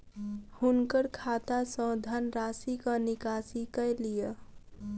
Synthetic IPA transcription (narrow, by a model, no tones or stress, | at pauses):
hʊnkəɾkʰaːt̪asə̃d̪ʱənɾaːsikanɪkaːsikəjlijə